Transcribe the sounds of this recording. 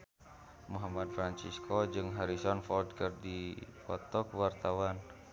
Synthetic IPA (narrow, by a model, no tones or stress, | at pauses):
muɦamad̚fɾant͡ʃiskʰɔd͡ʒɨŋɦaɾisɔnfɔld̚kɨrdipɔt̪ɔkwart̪awan